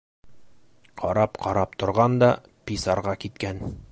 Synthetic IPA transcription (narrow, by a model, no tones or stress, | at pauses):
qʰɒɾɑpqʰɑɾɑp̚t̪ŏɾʁɑnd̪ɑ | pisɑɾʁɑkit̪kæn